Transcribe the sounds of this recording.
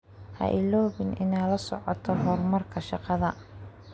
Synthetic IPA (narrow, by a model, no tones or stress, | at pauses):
hɐ̰ʔɪlɔːβɪnʔɪnajlɐsɔ̰ʕɔt̪ʰɔɦɔrmɐrkʰɐʃɑqɑðɐ